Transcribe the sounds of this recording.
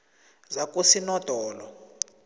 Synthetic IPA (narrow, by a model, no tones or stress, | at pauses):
zakusinɔd̥ʱɔːlɔ